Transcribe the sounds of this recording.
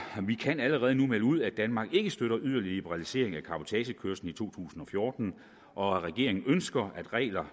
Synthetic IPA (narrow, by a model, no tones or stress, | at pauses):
ʋikʰænæləʁɛːð̞ˠənumeluð̞̰ˠæd̥ænmɑ̈ːɡ̥e̝ɡ̥əsd̥øɾ̥ɐʔyðˠɐlilib̥əʁɑ̈lise̝̰ɐ̰e̝ŋækʰɑ̈bo̝t͡sʰɛɕəkʰøɐsn̩it͡sʰo̝̰ːt͡sʰṵːsn̩ɒ̽fjo̝ːd̥n̩ | ʔɒ̽ʁɛɡ̥e̝ɐeŋn̩ønsɡ̥ɐæd̥ʁɛ̰ːlɐ